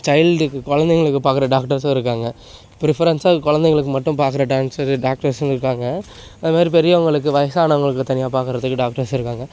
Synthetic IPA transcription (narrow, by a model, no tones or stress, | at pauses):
t͡ʃɐɪlɖɯkːɯkɔɻɐnd̪ɛŋɡɐɭɯkːɯpaːɾkɯɾɐɖaːkʈɐɾsɐɪɾɯk̬ːaːŋɡɐ | pɪɾɪfɐɾɐnsaːkɔɻɐnd̪ɛŋɡɐɭɯk̬ːɯmɐʈːɯ̃mpaːɾkɯɾɐʈaːnsɐɾɖaːk̚ʈɐɾsnɪɾɯkːaːŋɡɐ | ɐðɯmaːd̪ɾipɛɾɪjɐʋɐŋɡɐɭɯk̬ːɯʋɐjɐsaːnɐʋɐŋɡɐɭɯkːɯt̪ɐnɪjaːpaːɾkɯɾɐðɯkːɯɖaːk̚ʈɐɾsɪɾɯkːaːŋɡɐ